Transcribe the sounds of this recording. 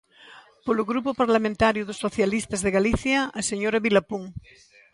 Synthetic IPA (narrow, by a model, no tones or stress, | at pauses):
poloɣɾupopaɾlamẽnt̪aɾjʊðosːoθjalist̪azðeɣaliθjaːseɲoɾaβilapuŋ